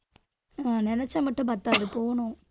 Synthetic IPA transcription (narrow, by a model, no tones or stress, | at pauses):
aːnɪnɐt͡ʃːɐmɐʈːʊ̃pɐɾt̪ːaːðɯpoːɳʊ̃